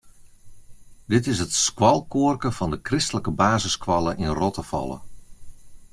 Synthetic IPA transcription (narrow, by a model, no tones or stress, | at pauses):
dɪtɪsɦətskwɑlˠkʊərkəfɑndəkrɪstələkəbaːzəskwɑlˠəʔɪnrɔtəfɑ̰lˠə̰